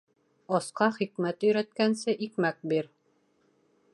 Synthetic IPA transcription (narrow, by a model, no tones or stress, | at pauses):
ɑsqɑχikmæt̪ɵ̆jɾæt̪̚kænsɘʔikmæk̚biɾ